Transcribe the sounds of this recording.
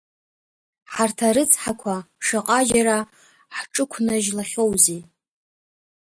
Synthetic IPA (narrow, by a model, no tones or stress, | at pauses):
ħartʰaɾɨt͡sʰħakʷʰa | ʂaqʼad͡ʒaɾa | ħʈ͡ʂʼɨkʷʰnaʒlaχʲowzi